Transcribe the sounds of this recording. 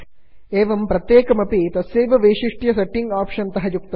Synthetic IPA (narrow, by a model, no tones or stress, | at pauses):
eːʋɐmpɾɐt̪jeːkɐmɐpit̪ɐsjeːʋɐʋeːʂiʂʈjɐsɐʈːiŋɡaːpʂɐnt̪ɐɦɐjuk̚t̪ɐ